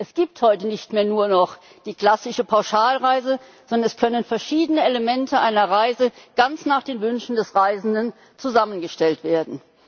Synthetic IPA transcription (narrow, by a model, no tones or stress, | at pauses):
ʔɛsɡ̥iːp̚thɔʏtənɪçtmeːɐnuːɐnɔχ | d̥iːkl̥asɪʃəpʰaʊʃaːlʁaɪzəzɔndɐnɛskʰœnənfɛɐʃiːdənəeləmɛntʰəʔaɪnɐʁaɪzəɡ̥ant͡snaːχd̥eːnvʏnʃn̩dɛsʁaɪzn̩dən | t͡suzamənɡəʃtɛltv̥eːɐdn̩